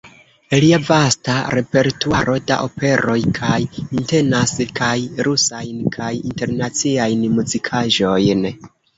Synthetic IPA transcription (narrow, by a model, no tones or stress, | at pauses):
eliavastaɾe̞pe̞ɾtuaɾo̞da̰ʔo̞pe̞ɾo̞jkʰajinte̞naskajɾusajnkʰajḭnte̞ɾnat͡siajnmuzikʰaʒo̞jn